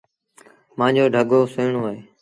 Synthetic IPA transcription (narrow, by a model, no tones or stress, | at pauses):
mãːɲd͡ʑoːɖʱəɠoːsʊːɳoːeː